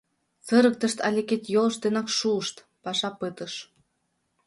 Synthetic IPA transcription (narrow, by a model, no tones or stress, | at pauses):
t͡sɤ̆ɾɤ̆k̚t̪ə̆ʃt̪ɑlʲeket̪jolɤ̆ʃt̪enɑkʃuəʃt̪ | pɑʃɑpɤt̪ɤ̆ʃ